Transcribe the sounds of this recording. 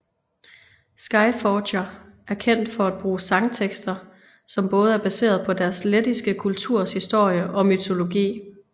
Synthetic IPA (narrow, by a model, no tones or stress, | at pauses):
sɡ̥ɑ̈ɪ̥fɒːɕɐ | æɐkʰen̰d̥fɒ̽æd̥̚b̥ʁuːsɑ̈ŋt͡sʰeɡ̥sd̥ɐ | sɒ̽mb̥ɔ̽ːð̞̩ˠæɐb̥æse̝̰ːɐð̞̩ˠpʰɒ̽d̥æɐsled̥isɡ̥əkʰult͡sʰuɐ̰shisd̥o̝ɐ̰jəʔɒ̽myt͡sʰo̝lo̝ɡḭː